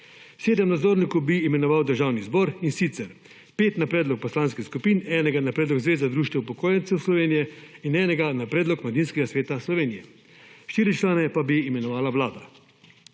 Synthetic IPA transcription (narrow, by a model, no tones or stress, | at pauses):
seːd̪ɛmnad̪zoːɾnikubiːmɛnɔʋawd̪əɾʒaːwnizbɔːɾinsit̪sɛɾ | peːt̪napɾɛːd̪lɔk̚pɔslaːnskixskupiːnɛːnɛɡanapɾɛːd̪lɔɡzʋeːzad̪ɾuːʃt̪ɛpɔkoːjɛnt̪sɛwslɔʋeːnijɛinɛːnɛɡanapɾɛːd̪lɔkmlad̪inskɛɡasʋeːt̪aslɔʋeːnijɛ | ʃt̪iːɾit͡ʃlaːnɛpabiːmɛnɔʋaːlaʋlaːd̪a